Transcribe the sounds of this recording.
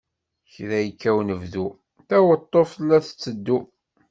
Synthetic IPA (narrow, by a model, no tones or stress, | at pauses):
çɾæjkːæwnəvðu | θæwət̪ˤːoflːæθət͡sːəd̪ːu